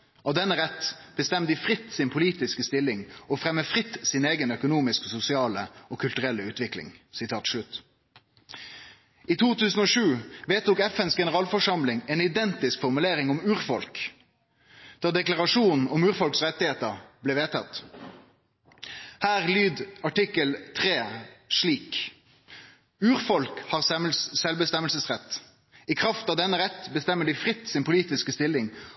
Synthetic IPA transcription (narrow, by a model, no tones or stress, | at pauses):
ɑːʋd̪ɛnːəʁɛt̪ːb̥əst̪ɛmd̪ɪfʁɪt̪sɪnpʰʊliːt̪ɪskəst̪ɪlːɪŋɔfʁɛmːəfʁɪt̪ːsɪneːɡənœkʊnuːmɪskəsʊsɪɑːləɔːkʰʉlt̪ʉʁɛlːəʉːt̪ʋɪklɪ̰ŋsɪt̪ʰɑːt̪ʂlʉt̪ː | iːt̪ʰuːt̪ʰʉːsn̩oːʂʉːʋeːt̪ʊkɛfɛnsɡɛnəʁɑːlfɔʂɑmlɪŋɛːnɪd̪ɛnt̪ɪskfɔʁmʉleːʁɪŋɔmʉːʁfɔlk | d̪̥ɑːd̪ɛklɑʁɑʂuːnn̩ɔmʉːʁfɔlksʁɛt̪ːɪheːt̪əʁblɛːʋeːt̪ʰɑt̪ | hæːʁlyːd̪ɑʈɪkəlt̪ʰʁeːʂɭiːk | ʉːʁfɔlkhɑːʁsɛməlssɛlbəst̪ɛməlsəsʁɛt̪ː | ɪkʰʁɑft̪ɑʋd̪ɛnːəʁɛt̪ːbəst̪ɛmːəɖɪfʁɪt̪ːsɪnpʰʊliːt̪ɪskəst̪ɪlːɪŋ